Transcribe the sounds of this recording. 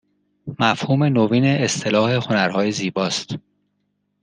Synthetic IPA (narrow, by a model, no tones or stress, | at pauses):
mæfhuːme̞noviːne̞ːst̪ʰe̞lɒːhe̞ho̞næɾhɒːje̞ziːbɒːst̪